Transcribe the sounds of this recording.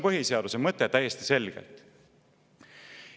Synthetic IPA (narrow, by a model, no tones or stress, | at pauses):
pɤɦiseɑd̪usemɤt̪ːˑet̪æjest̪i̥se̞lɡ̥ḛlt̪ˑ